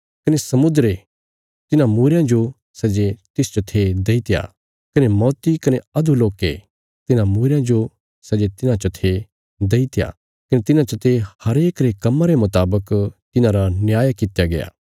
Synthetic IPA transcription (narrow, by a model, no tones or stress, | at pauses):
kɐnesɐmʊd̪ɾe | t̪ɪnãmuːɾjãd͡ʒo | sɐd͡ʒet̪ɪst͡ʃɐt̪ʰed̪eːit̪ja̰ː | kɐnemɔːt̪ikɐneɐd̪ʱuloːke | t̪ɪnãmuːɾjãd͡ʒo | sɐd͡ʒet̪ɪnãt͡ʃɐt̪ʰe | d̪eːit̪ɪja̰ː | kɐnet̪ɪnãt͡ʃɐt̪ʰehɐɾeːkɾekɐmːãɾemʊt̪aːbəkt̪ɪnãɾanjaːjakɪt̪ejaɡɐja̰ː